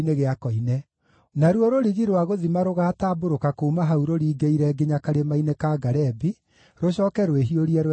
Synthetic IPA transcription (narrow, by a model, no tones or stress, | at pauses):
neɣeakɔinɛ | naɾwɔɾoɾiɣiɾwaɣoðimaɾoɣataboɾokakomaɦauɾoɾiːɡeiɾɛɡeɲakaɾemainekaːɡaɾɛbi | ɾoɕɔːkɛɾoweɦioɾiɛɾ